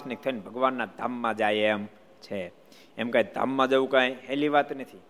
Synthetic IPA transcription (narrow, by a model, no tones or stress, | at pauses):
snek̚t̪ʰənbʱəɡʋanːad̪ʱa̰mːãd͡ʒajeɛm | t͡ʃʰe | ɛmkãj̃d̪ʱa̰mːãd͡ʒəʋũkãjɦɛliʋat̪nət̪ʰi